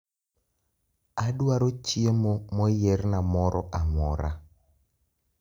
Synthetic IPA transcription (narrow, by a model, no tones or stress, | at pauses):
adwaɾot͡ʃiemomɔjeɾnamɔɾʔɔʔamɔɾa̰